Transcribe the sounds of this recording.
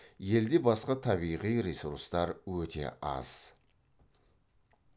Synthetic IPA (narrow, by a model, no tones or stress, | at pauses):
je̞ld̪e̞bɑsqɑt̪ʰɑβijʁijɾesuɾst̪ɑɾwɵt̪ʰe̞̰ʔɑ̰z̥